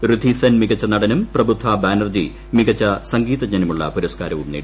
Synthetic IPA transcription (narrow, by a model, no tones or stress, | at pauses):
rɨd̪ʱisɐnmiɡɐt͡ɕːɐnɐɽɐnumprɐbud̪ʱːaːbaːnɐrd͡ʑi | miɡɐt͡ɕːɐsɐŋɡiːðɐd͡ʑɐnɐmuɭːɐ̰puɾɐskaːɾɐʋumnḭːɽ